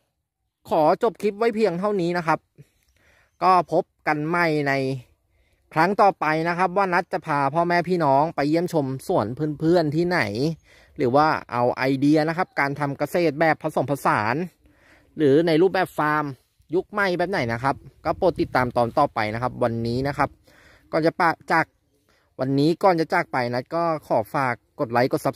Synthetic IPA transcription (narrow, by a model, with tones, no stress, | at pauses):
kʰɔː˩˦t͡ɕo˨˩p̚kʰi˦˥p̚wa˦˥jpʰi˧əŋt̪ʰa˥˩wniː˦˥na˦˥kʰa˦˥p̚ | kɔː˥˩pʰo˦˥p̚ka˧nma˥˩jna˧j | kʰɾa˦˥ŋt̪ɔː˨˩pa˧jna˦˥kʰa˦˥p̬̚waː˥˩na˦˥t̪̚t͡ɕa˨˩pʰaː˧pʰɔː˥˩mɛː˦˥˩pʰiː˥˩nɔː˦˥ŋpa˧jːi˥˩əmt͡ɕʰo˧msu˨˩˦ənpʰɯː˥˩˨npʰɯ˥˩ənt̪ʰiː˥˩na̰˩˦j | ɾɯː˩˦waː˥˩ʔa̰˧wʔa̰˧jdi˧ɐna˦˥kʰa˦˥p̚kaː˧nt̪ʰa˧mka˧seː˨˩t̪̚bɛː˨˩pʰːa˧so˨˩˦mpʰa˧saː˩˦n | ɾɯː˩˦na˧jɾuː˥˩p̚bɛː˨˩p̚faː˧m | ju˦˥k̚ma˥˩jbɛː˨˩p̚na˨˩˦jna˦˥kʰa˦˥p̚kɔː˥˩poː˨˧˩t̪ːi˨˩t̪ːaː˧mt̪ɔː˧nt̪ɔː˨˩pa̰˧jna˦˥kʰa˦˥p̚wa˧nːiː˦˥na˦˥kʰa˦˥p̚ | kɔː˨˩nt͡ɕa˨˩paː˧˩t͡ɕaː˨˩k̚ | wa˧nːiː˦˥kɔː˨˩nt͡ɕa˨˩t͡ɕa˨˩k̚pa˧jna˦˥t̪̚kɔː˥˩kʰɔː˩˦faː˨˩kːo˨˩t̪̚la˩˦jko˨˩t̪̚sa˦˥p